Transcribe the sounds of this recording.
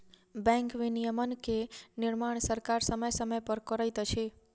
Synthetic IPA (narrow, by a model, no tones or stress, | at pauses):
bɛ̃ŋkʋinijəmənkenɪɾmaɳ̃səɾkaɾsəməjsəməjpəɾkɔɾajt̪ət͡ʃʰe